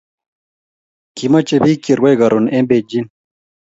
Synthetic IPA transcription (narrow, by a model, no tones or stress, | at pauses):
kimɐt͡ɕebikiɾɡwejɡɐɾunembed͡ʑin